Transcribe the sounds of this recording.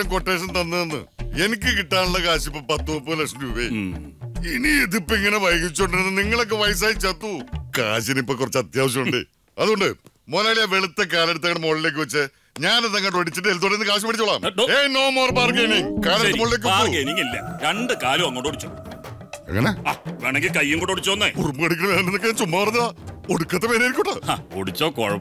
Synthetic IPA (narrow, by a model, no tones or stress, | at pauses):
ɐmkoʈːeːʂ̬ɐnt̪ɐnːɐðenːɨ̰e̞nik̬ʲːɨkiʈːaːnuɭːɐkaːɕipːɨpɐt̪ːuːpːɨlɐkʂɐnuuʋe | init̪ipːiŋːɐneʋɐjɣit͡ɕːoɳɖɾenːɨniŋːɐɭo̞k̬ːeʋɐjsaːjt͡ɕːɐt̪ːuka̰ːɕinipːoːkːurɐt͡ɕːɐt̪jaːʋɐɕ̬jɐmuɳɖɨ̰ | ɐðuɣo̞ɳɖɨ | moːlaːɭijɐʋe̞ɭut̪ːɐkaːleɽut̪ːɐːɐɽemoːɭile̞ːk̬ːɨʋɐt͡ɕːɨ | ɲaːnɐðɐŋːɐʈːʋɐɽit͡ɕːiʈːɨelt̪uːɽeɾinːɨkaːɕ̬ɐmpɐʈit͡ɕːuɭaːmeno̞ːmoːrbaːrɡejniŋkaːlɐut̪ːɐmoɭile̞ːk̬ːɨʋauɡejniŋilːɐɾeɳɖɨkaːluɐŋːoɳɖoɽit͡ɕːo̰ | ɐ̰ŋːɐ̰neaːʋeːɳeŋɡilkɐjːuŋkoɳɖoɽit͡ɕːoonːeurumbɨɐɽikʲːɐɳɐmeːnɐnenːokːet͡ɕumːaːʋɐrɐɲːɐaːo̞ɽukːɐt̪ːɐmeːneɾikʲːoʈːaaoɽit͡ɕːoːkoɻɐ